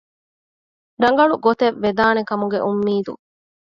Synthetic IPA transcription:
ɾɐŋɡɐɭuɡot̪eʋːed̪aːnekɐmuɡeʔumːiːd̪ṵ

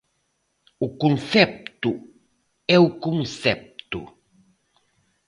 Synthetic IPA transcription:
ukunsɛp̚t̪u | ɛukuŋsɛp̚t̪ṵ

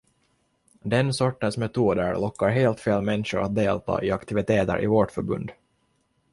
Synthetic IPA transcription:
d̪ɛnsɔʈːənsmɛt̪ʰuːd̪əɾlɔkːaɾɦeːlt̪feːlmɛnʂʊɾʔat̪̚d̪eːlt̪ʰɑ̰ːʔɪakt̪ɪvɪt̪ʰeːt̪ə̰ɾʔɪ̰vɔʈfœɾbɵ̰nd̪

